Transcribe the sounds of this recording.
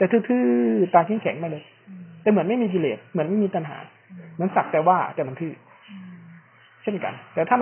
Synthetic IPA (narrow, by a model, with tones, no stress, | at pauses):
t̪ɛː˨˩t̪ʰɯː˥˩t̪ʰɯː˥˩t̪aː˧ŋkʰi˥˩ŋkʰɛ˨˩˦ŋma˥˩˨lɤː˧j | t̪ɛː˨˩mɯ˩˦ənma˥˩jmiː˧kiː˧leː˨˩t̪̚mɯ˩˦ənma˥˩jmiː˧t̪a˧nɦa̰ː˩˦ | mɯ˩˦ənsa˨˩k̚t̪ɛː˨˩waː˥˩t̪ɛː˨˩ma˧nt̪ʰɯː˥˩ | t͡ɕʰe˥˩nka̰˧nt̪ɛː˨˩t̪ʰaː˥˩